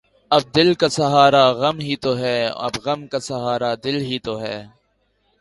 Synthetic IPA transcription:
ɐb̚d̪ɪlkasɐɦaːɾaɣɐmɦit̪oɦɛːɐ̰bɣɐmkasɐɦaːɾad̪ɪlɦit̪oɦɛː

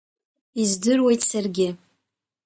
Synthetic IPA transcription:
izdɨrwejtsɨrɡʲɪ

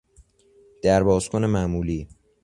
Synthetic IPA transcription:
d̪̥æɾbɒːz̥kʰone̞mæmuːliː

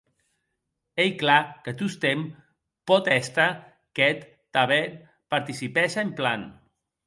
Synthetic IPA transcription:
ejklakət̪ust̪em | pɔt̪ɛst̪a | kɛt̪ːaβɛ | paɾt̪isipɛʃamplan

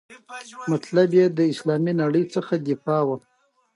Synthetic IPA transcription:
mat̪labjed̪əɪslɑminaɽəjt͡səxad̪ɪfɑwa

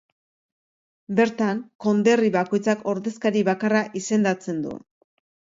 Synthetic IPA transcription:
be̞ɾt̪aŋko̞nd̪e̞riβako̞jt͡sako̞ɾðe̞skaɾiβakaraʔise̞nd̪at͡se̞nd̪ṵ

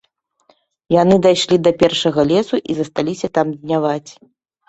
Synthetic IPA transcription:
janɨd̪ajʂlʲid̪ɐpʲɛrʂɐɣɐlʲɛsuʔizɐst̪alʲisʲɐt̪amd̪ʲnʲavat͡sʲ

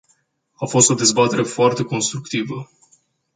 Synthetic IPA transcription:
afo̞st̪o̞d̪e̞zbat̪e̞ɾe̞foart̪e̞ko̞nst̪ɾukt̪ivə

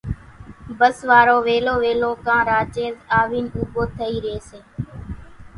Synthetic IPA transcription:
bəsʋaːɾoːʋeːloːʋeːlõːkãːɾaːt͡ʃeːzaːʋiːnuːboːt̪ʰəiːɾeːseː

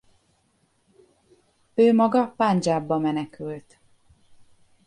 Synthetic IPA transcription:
øːmɒɡɒpand͡ʒaːbːɒmɛnɛkylt̪

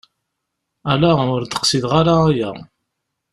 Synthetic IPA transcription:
ælaʊɾd̪ə̥qsiðʁaɾaːjæ̰

